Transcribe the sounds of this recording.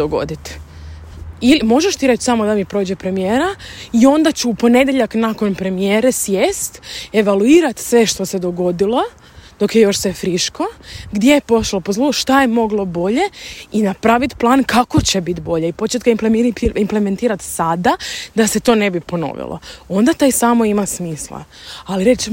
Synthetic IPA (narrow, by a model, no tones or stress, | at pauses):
oɡo̰d̪it̪ | ilimo̞ʒeʃt̪iɾet͡ʃsamo̞d̪amipɾo̞ːd͡ʑepɾe̞mijeːɾaio̞nd̪at͡ɕuːpo̞ne̞d̪jeʎaknako̞npɾe̞mijeːɾesjest̪e̞ʋaluiːɾat̪sʋe̞ʃt̪ose̞d̪o̞ɡo̞d̪ilˠo̞ | d̪̥o̞kjejo̞ʃsefɾiʃko̞ɡd̪je̞jepo̞ʃlˠopazlˠuʃt̪aje̞mo̞ɡlˠo̞bo̞ʎe̞inapɾaʋit̪plˠaːnkako̞t͡ɕebit̪bo̞ʎeipo̞t͡ʃet̪kaimplemiimplement̪iːɾat̪sad̪ad̪ase̞t̪o̞ːne̞bipo̞no̞̰ʋḭlˠo̰o̞nd̪at̪aːjsaːmoimasmiːslˠa̰ | aliɾe̞t͡ʃ